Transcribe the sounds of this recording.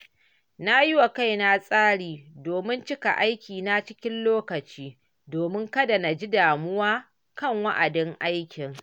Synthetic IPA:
na˦jɪ˦wa˨ka˦˨jna˦sʼaː˦ɽiː˨doː˨mɪ˦nt͡ʃɪ˦ka̰˨ʔa˦jkʲiː˨na˦t͡ʃɪ˦kʲɪ˦nloː˦kɐ˨t͡ʃiː˦ | doː˨mɪ˦ŋkɐ˦da˨na˨d͡ʒi˦daː˨mʊ˦waː˦ | kɐ˦˨ŋwa˦ʔa˨dɪ˦ŋʔa˦jkʲɪ˨ŋ

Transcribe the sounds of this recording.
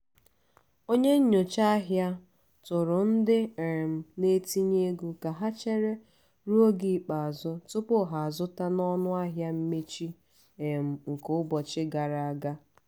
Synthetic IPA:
o˦ɲe˦ɲ̩˦ɲo˨t͡ʃa˦a˦ɦja˦ | tʊ˨ɾʊ˨n̩˦dɪ˦e˨m̩˨ne˦ti˦ɲe˦ɡu˦ka˨ɦa˦t͡ʃe˦ɾe˦ | ɾu˦o˦ɡi˨k͡pa˨a˨zʊ˦tʊ˦pʊ˦ɦa˨a˨zʊ˦ta˦nɔ˦nʊ˦a˦ɦja˦m̩˦me˦t͡ʃi˦ | e˨m̩˨ŋ̩˨kʊ˦ʊ˦bɔ˨t͡ʃɪ˦ɡa˨ɾa˨a˨ɡa˦

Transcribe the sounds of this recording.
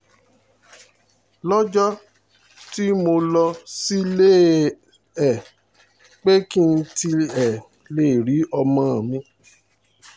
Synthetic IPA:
lɔ˦d͡ʒɔ˦ | ti˦mo˧lɔ˧si˦le˦˨ | ɛ˨ | k͡pe˦ki˦n̩˧˦ti˧ɛ˨ | le˦˨ɾi˨˦ɔ˧mã˦a˨mĩ˧˦

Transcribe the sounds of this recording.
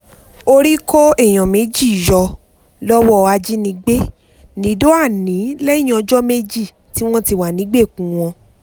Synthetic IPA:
o˧ɾi˦kʰɔ˦ɛ˦˨j̃ɔ̃˨me˨˦d͡ʒi˦˨jɔ˧ | lɔ˦wɔ˦˧a˧d͡ʒi˦nĩ˧ɡ͡be˦ | nĩ˨˦do˦a˦˨nĩ˨˦lɛ˦ĩ˦ɔ̃˧d͡ʒɔ˦me˦d͡ʒi˦˨ | ti˦w̃ɔ̃˦ti˧wa˨nĩ˨˦ɡ͡be˦˨kũ˨w̃ɔ̃˧

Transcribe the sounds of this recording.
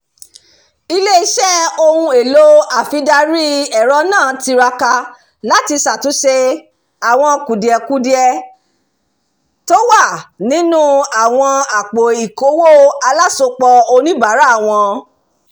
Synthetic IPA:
i˧le˦i˧˦ʃɛ˦o˧hũ˧e˨lo˦a˨fi˧˦da˧ɾi˦ɛ˨ɾɔ˧˦nãː˦˨ti˧ɾa˧ka˧ | la˦ti˧sa˨tu˨˦ʃe˧ | a˨w̃ɔ̃˧ku˨di˨ɛ˨ku˨˦di˦ɛ˧ | to˦wa˦˨nĩ˨˦nũ˦a˦˨w̃ɔ̃˧a˨k͡po˨i˨ko˨˦wo˦a˧la˦so˧k͡pɔ˧o˧nĩ˦ba˨˦ɾa˨˦˨w̃ɔ̃˧

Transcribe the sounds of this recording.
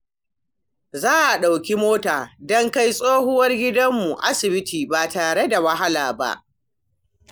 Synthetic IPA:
zaː˦ʔa˨ɗa˨wkʲi˦moː˦taː˨dɔ˦ŋka˦jsʼoː˦hʊ˦wɐ˦rɡʲɪ˦dɐ˦mːu˨ʔa˦sɪ˨bɪ˦tʰiː˨baː˨taː˨ɽe˦da˨wɐ˦ɦa˦laː˨ba̰˦ʔ

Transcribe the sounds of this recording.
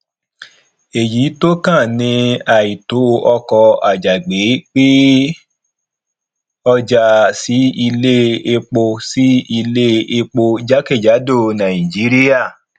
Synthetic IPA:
e˨ji˨˦to˦kã˦˨nĩ˧˦a˨i˨to˨˦˧ʔɔ˧kɔ˧a˨d͡ʒa˨ɡ͡be˨˦k͡pi˦ | ɔ˧d͡ʒa˧si˨˦i˧le˦e˧k͡po˧si˦i˧le˦e˧k͡po˧d͡ʒa˦ke˦˨d͡ʒa˨˦do˦˨nã˨ĩ˨d͡ʒi˨˦ɾi˦ja˦˨

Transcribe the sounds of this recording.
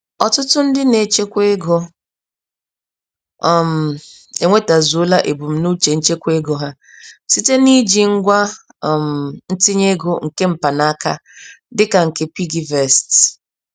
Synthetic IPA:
ɔ˨tʊ˦tʊ˦n̩˦dɪ˦ne˨t͡ʃe˦kʷe˦ɡo˦˨ | m̩˨ | e˨ŋʷe˦ta˨zu˦la˦ʔe˨bu˨m̩˦nu˦t͡ʃe˨n̩˦t͡ʃe˦kʷe˦ɡo˨ɦa˦˨ | si˦te˦ni˦d͡ʒi˨ŋ̩˦ɡʷa˦˨ | m̩˨n̩˦tɪ˦ɲe˦ɡo˨ŋ̩˨ke˦m̩˨pa˨na˦ka̰˦dɪ˦ka˨ŋ̩˨ke˦pi˦ɡi˦vɛ˨st

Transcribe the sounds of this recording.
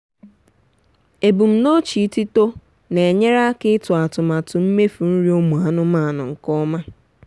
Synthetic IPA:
e˨bu˨m̩˦˨no˦t͡ʃi˨˦ti˦to˦ | ne˨e˨ɲe˦ɾa˦kɪ˦tʊ˨a˨tʊ˨ma˨tʊ˨m̩˦me˦fu˨n̩˦ɾi˦o˦mu˨a˨nʊ˦ma˦˨nʊ̰˨ŋ̩˨kɔ˦ma˦

